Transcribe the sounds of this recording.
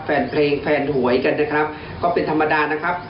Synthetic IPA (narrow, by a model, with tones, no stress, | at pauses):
fɛː˧npʰleː˧ŋfʰɛː˧nɦu˩˦əjka˧nːaː˦˩jkʰɾa˦˥p̚ | kɔː˥˩pe˧nt̪ʰa˧mːa˧daː˧na˦˥kʰɾa˦˥p̚